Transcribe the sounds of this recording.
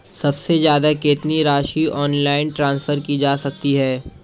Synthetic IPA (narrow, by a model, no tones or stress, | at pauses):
sɐbsezjaːd̪akɪt̪niɾaːʃiʔɔːnlaːɪnʈɾãːnsfʰəɾkid͡ʒaːsɐk̚t̪iɦɛː